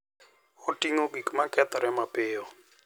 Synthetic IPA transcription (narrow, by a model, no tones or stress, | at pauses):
otiŋoɡikmakɛt̪ɔɾɛmapɪɔ